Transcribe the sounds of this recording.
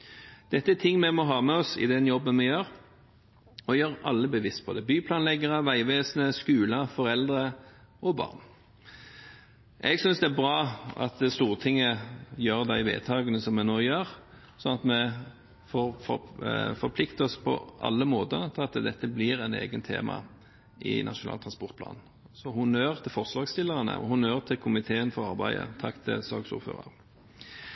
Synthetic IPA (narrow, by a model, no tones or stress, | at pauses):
d̪̥ɛt̪ːəæt̪ʰɪŋːmɛmɔɦɑːmɛɔsɪ̰d̪ɛnjɔbːənmɛjøːʁ | ɔjøːʁɑ̰lːəbəʋɪst̪̚pʰɔd̪ɛbyːpʰlɑːnlɛɡəʁəʋæɪʋeːsnəskʉːlɑfɔɾɛld̪ʁə | ɔbɑ̰ːʁn | ʔɛɡsʏnsd̪ɛæbʁɑːʔɑ̰t̪st̪uːʁt̪ʰɪŋːəjøːʁd̪æɪʋḛːd̪t̪ʰɑːɡənəsɔmɛnoːjøːɾ | sɔnɑt̪mɛ | foːʁfɔfɔɾpʰlɪkt̪əɔspʰɔ̰ʔɑ̰lːəmoːt̪ət̪ʰɑt̪d̪ɛt̪ːəblɪɾɛnḛːɡənt̪ʰḛːmɑ̰ | ʔɪ̰nɑʂʊnɑ̰ːlt̪ʰʁɑnspɔʁt̪̚pʰlɑ̰ːn | sɔhʊnøːʁt̪ʰɪlfɔʁslɑːɡst̪ɪlːəʁənə̰ʔɔ̰hʊnøːʁt̪ʰɪlkʰʊmɪt̪ʰeːənfɔɾɑʁbæɪə̰t̪ʰɑkt̪ʰɪ̰lsɑ̰ːɡsʊ̰ːɾfø̰ːʁə̰ʁ